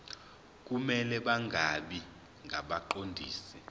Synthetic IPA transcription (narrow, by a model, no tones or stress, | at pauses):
k̬ʼumɛlɛɓaŋʱaɓi | ŋɡʱaɓaǃondʱiːsɛ